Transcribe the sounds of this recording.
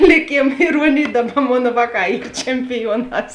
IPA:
lʲɪˈkʲeːm ɪˈruɔnʲeːj ˈdɑːˌbɐ ˈmoːn ˈʋɑːˌkɑː ˈiːr t͡ʃʲɛmʲpʲɪˈjuɔˌnɑːs

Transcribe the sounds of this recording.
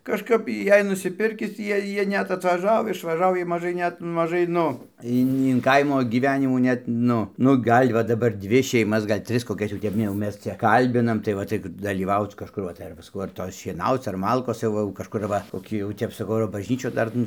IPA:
kɐʃˈkɐp ˈjɛɪ nʊsʲɪˈpʲɪrʲkʲɪs ˈjiɛ ˈjiɛ ˈnʲɛt ɐtʋɐˈʒɐʊ ɪʃʋɐˈʒɐʊ jiɛj mɐˈʒɐɪ ˈnʲɛt mɐˈʒɐɪ ˈnʊ ˈɪn ɪn ˈkɐɪmoː ɡʲɪˈʋʲæːnʲɪmuː ˈnʲɛt ˈnʊ nʊ ˈɡɐlʲ ʋɐ dɐˈbɐr ˈdʲʋʲɪ ʃʲɛɪˈmɐs ˈɡɐlʲ ˈtʲrʲɪs koːˈkʲɛs jɛʊ ˈtʲɛp jɛʊ ˈmʲɛs ˈt͡ʃʲɛ ˈkɐlʲbʲɪnɐm tɐɪ ˈʋɐ tɐɪ dɐlʲiːˈʋɐʊt͡s kɐʃˈkʊr ʋɐ tɐɪ ˈɐr ʋɐ sɐˈkɐʊ ɐr ˈtoːs ʃʲiɛˈnɐʊt͡s ɐr ˈmɐlˠkoːs jɛʊ ˈʋɐ jɛʊ kɐʃˈkʊr ˈʋɐ koːˈkʲiː jɛʊ ˈtʲɛp sɐˈkɐʊ ɐr bɐˈʒʲnʲiːt͡ʃʲuː ˈdɐr nʊ

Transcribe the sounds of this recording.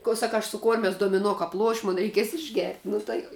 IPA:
koː ˈsɑːkɐ ɐʃ sʊ ˈkoːrʲmʲɛs doːmʲɪˈnoː ˈkɐp ˈlˠuɔʃʲ ˈmʊn rʲɛɪˈkʲiɛs ɪʒʲˈɡʲɛrʲtʲ ˈnʊ tɐɪ

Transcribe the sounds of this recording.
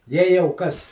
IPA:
jɛɪ jɛʊ ˈkɐs

